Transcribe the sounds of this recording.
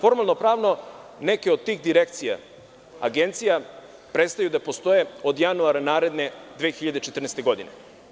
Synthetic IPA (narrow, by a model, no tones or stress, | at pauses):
fo̞ɾmalˠno̞pɾaːʋno̞ne̞ke̞od̪̚t̪ːiːxd̪iɾe̞k̚t̪sija̰ | a̰ɡe̞nt̪sija | pɾet̪st̪ajud̪apo̞st̪o̞jeod̪januaɾanaːɾe̞d̪ne̞d̪ʋeːxiʎad̪et͡ʃet̪r̩nest̪eɡo̞d̪ine